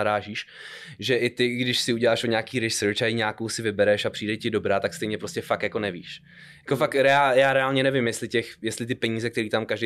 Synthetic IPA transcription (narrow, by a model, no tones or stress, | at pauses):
aɾaːʒiːʃ | ʒɛʔɪt̪ɪɡdɪʃsɪuɟɛlaːʃoɲaːkiːɾɪʃsɛt͡ʃaiɲaːkowsɪvɪbɛɾɛʃapr̥iːdɛcɪdobɾaːt̪akst̪ɛjɲɛpɾoscɛfakjako̞nɛvḭːʃ | jako̞fakɾɛajaːɾɛaːlɲɛnɛvɪmjɛst̪lɪcɛxjɛst̪lɪt̪̬ɪpɛɲiːzɛkt̪ɛɾiːt̪amkaʒde